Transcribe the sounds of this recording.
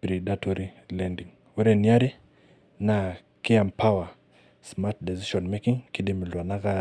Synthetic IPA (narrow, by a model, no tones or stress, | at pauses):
bɾiɗatɔɾi | lɛndiŋ | wɾɛniaɾi | na | kiampʰawa | smatdɛziʃɔnmɛkiŋkiɗimilwanaka